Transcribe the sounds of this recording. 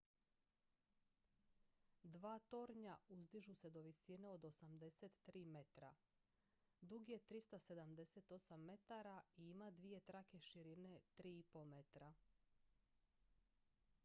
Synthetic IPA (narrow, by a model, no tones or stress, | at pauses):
d̪ʋaːt̪o̞ɾɲauzd̪iʒuse̞d̪o̞ʋisine̞o̞d̪o̞samd̪e̞set̪ːɾiːme̞t̪ɾa̰ | d̪uɡijet̪ɾist̪ase̞d̪amd̪e̞se̞t̪o̞samːe̞t̪aɾaiimad̪ʋije̞t̪ɾake̞ʃiɾine̞t̪ɾiːipo̞me̞t̪ɾa